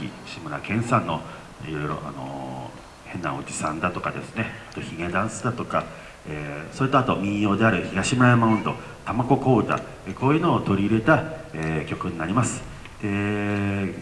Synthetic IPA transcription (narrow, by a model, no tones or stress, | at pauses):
ḭɕimɯ̟ɾa̰kẽ̞ɰ̃sãnːo̞ | ḭɾo̞iɾo̞̰ʔa̰no̰ | hẽ̞nːa̰o̞̰d͡ʑisãnd̪at̪o̞kad̪e̞̰sɨ̥ne̞at̪oçiɡed̪ãɰ̃sɨd̪at̪o̞ka | eso̞ɾit̪oat̪o̞mʲĩɰ̃jo̞ːd̪e̞aɾɯ̟çiɡaɕimɯɾajamaɯ̃nd̪o̞̰ | t̪amako̞ko̞ːt̪a̰ | ekoːjɯ̟no̞ːt̪o̞ɾʲiɯɾe̞t̪aekʲo̞kɯ̟ɲ̟inaɾʲimasɨ̥ | d̪̥e̞